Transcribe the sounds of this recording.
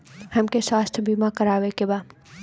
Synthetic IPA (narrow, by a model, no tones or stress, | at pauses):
hɐmkeswaːst̪ʰəbimãkəɾaːʋekebaː